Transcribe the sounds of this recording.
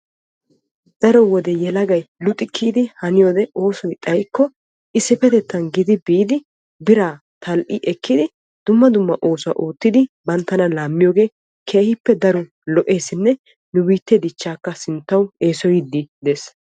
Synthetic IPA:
d̪̥ɐɾɔwɔd̪ɛjɛlɐɡɐjlʊt̪ʼːɪkʰːiːd̪ɪhɐnɪjoːd̪ɛoːsɔjt̪ʼɐjkːɔ | ʔɪsːɪfɛt̪ɛt̪ːɐnɡɪd̪ɪbiːd̪ɪ | bɪɾaː | t̪ʰɐlʔɪʔɛkːɪd̪ɪ | d̪̥ʊmːɐd̪ʊmːɐʔo̞ːsʊɐ̰ʔuːt̪ːɪd̪ɪbɐnt̪ːɐnɐlaːmːɪjo̞ːɡe̞ː | kʰe̞ːhɪpːɛd̪ɐɾʊ | lɔʔe̞ːsɪnːɛ | nʊbiːt̪ːɛd̪ɪt͡ʃːaːkːɐsɪnt̪ːɐwe̞ːsɔjɪd̪ːɪd̪eːs

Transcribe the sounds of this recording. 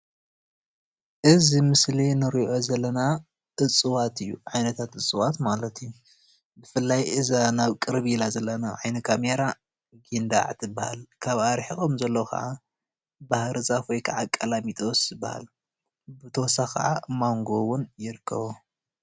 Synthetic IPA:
ʔɨzimɨslinɨɾiʔo̞zɐlːɐna | ʔɨt͡sʼɨwat̪ʰɨjːuʕajnɐt̪ʰat̪ɨt͡sʼɨwat̪malɐt̪ijːu | bɨfɨlːajʔɨzanaβkʼɨɾβilazɐlːɐnaʕajnɐkʰameɾa | ɡind̪a̰ʕt̪ʰɨbːaha̰lkʰaβʔaɾħixʼomzɐlːowkʰa̰ʕa | bahɾɨzafojkʰɐʕakʼːɐlamit̪ʼo̞sɨbːa̰ha̰l | bɨt̪ʰosakʰɐ̰ʕamaŋɡo̞wʊnjɪɾɨkʰːɐ̰βu

